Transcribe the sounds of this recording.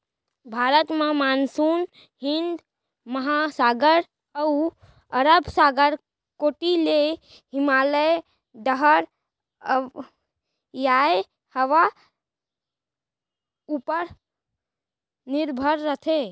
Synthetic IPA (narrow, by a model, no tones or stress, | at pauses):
bʱaːɾət̪mẽmaːnsuːn | ɦɪ̃nd̪ | məɦasaːɡəɾ | əu | əɾəbsaːɡəɾ | koːʈile | ɦɪmaːləj | ɖəɦəɾ | jae | həʋa | upəɾ | nɪɾbʱəɾɾət̪ʰe